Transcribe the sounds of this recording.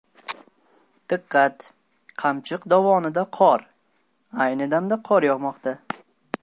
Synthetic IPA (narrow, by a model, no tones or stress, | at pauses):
d̪̥ɨqːɑt̪ | qʰamt͡ʃʰɪqd̪avɒnɪd̪aqʰɒɾ | ajnɪd̪amd̪aqʰɒɾjɒʁmɒqt̪ʰa